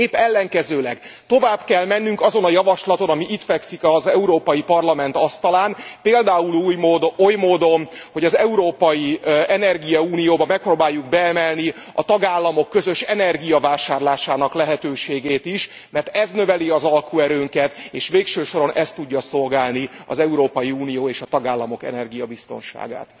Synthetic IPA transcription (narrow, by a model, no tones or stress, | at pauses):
eːpːɛlːɛŋkɛzøːlɛɡ | t̪o̞vaːbkɛlmɛnːyŋkɒzo̞nɒjɒvɒʃlɒt̪o̞nɒmiʔit̪fɛksikɒzɛuɾoːpɒjipɒrlɒmɛnt̪ɒst̪ɒlaːnpeːld̪aːuluːjmoːd̪ojmoːd̪o̞nho̞ɟɒzɛuɾoːpɒjiɛnɛrɡijɒuːnijoːbɒmɛk̚proːbaːjːuɡ̚bɛɛmɛlni | ɒt̪ɒɡaːlːɒmo̞kːøzø̞ʃɛnɛrɡijɒvaːʃaːrlaːʃaːnɒklɛɦɛt̪øːʃeːɡeːt̪iʃ | mɛrt̪ɛznø̞vɛliɒzɒlkuɛɾøːŋkɛt̪eːʃʋeːkʃøːʃo̞ɾo̞nʔɛst̪ːuɟːɒso̞lɡaːlniɒ̰zɛuɾoːpɒjiuːnijoːeːʃɒt̪ɒɡaːlːɒmo̞kɛ̰nɛrɡijɒbist̪o̞̰nʃa̰ːɡa̰ːt̪